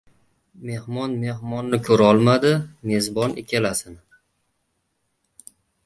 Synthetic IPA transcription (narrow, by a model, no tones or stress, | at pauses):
me̞hmɒnme̞hmɒnːɪkʰɵɾɒlˠmad̪ɪme̞zbɒnekʲʰalasɪnɪ